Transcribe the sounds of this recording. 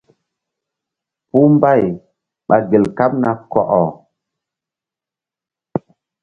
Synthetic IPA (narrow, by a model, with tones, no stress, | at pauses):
pu˦mba˦˨j | ɓa˨ɡe˨lka˦p̚na˦kɔ̰˨ʔɔ˨